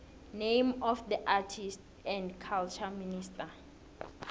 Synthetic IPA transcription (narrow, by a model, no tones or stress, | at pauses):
nẽjmɔfdiʔatʰist | ɛ̃ndkʰalt͡ʃʰaminista